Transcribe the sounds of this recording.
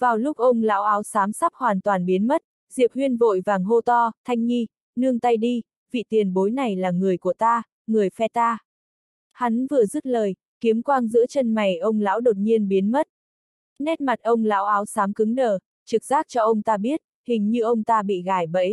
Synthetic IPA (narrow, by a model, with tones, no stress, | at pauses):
vaː˨˩wlʊ˦˥k͡p̚ʔə˧wŋ͡mla̰ː˧˥wʔaː˨˦wsaː˨˦msa˦˥p̚hwaː˨˩nt̪waː˨˩nɓi˨˦ənmə˦˥t̚ | zḭ˧˨əp̚hwi˧ənvo̰˧˨jvaː˨˩ŋɦo˧t̪ɔ˧t̪ʰa˧jŋ̟ɲi˧ | nɨ˧əŋt̪a˧jɗi˧ | vḭ˧˨t̪i˨˩ənɓo˨˦jna˨˩jlaː˨˩ŋɨ˨˩əjku˧˩ət̪aː˧ | ŋɨ˨˩əjfɛ˧t̪aː˧ | ha˨˦nvɨ˨˩əzɨ˦˥t̚ləː˨˩j | ki˨˦əmkwaː˧ŋzɨ̰˧˥ət͡ɕə˧nma˨˩jʔə˧wŋ͡mla̰ː˧˥wɗo˨˩t̚ɲi˧ənɓi˨˦ənmə˦˥t̚ | nɛ˦˥t̚ma˨˩t̚ʔə˧wŋ͡mla̰ː˧˥wʔaː˨˦wsaː˨˦mkɨ˨˦ŋnəː˨˩ | t͡ɕɨ˨˩k̚z̥aː˦˥t̚t͡ɕɔ˧ʔə˧wŋ͡mt̪aː˧ɓi˦˥ət̚ | hï˨˩ŋ̟ɲɨ˧ʔə˧wŋ͡mt̪aː˧ɓḭ˧˨ɣaː˧˩jɓə̰˧˥j